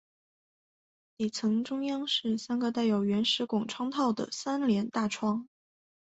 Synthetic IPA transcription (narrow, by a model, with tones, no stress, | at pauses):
li˨˩t͡sʰɤ˧˥ŋʈ͡ʂʊ˥ŋjɑ˥ŋʂɻ̩˥˩sa˥nɡə˧t̪̬a˥˩ɪjo˨˩ʊɥɛ˧˥nʂɻ̩˧˥kʊ˨˩ŋʈ͡ʂʰwɑ˥ŋt̪ʰɑ˥˩ʊd̪ə̰˩sa˥nljɛ˧˥nt̪a˥˩ʈ͡ʂʰwɑ˥ŋ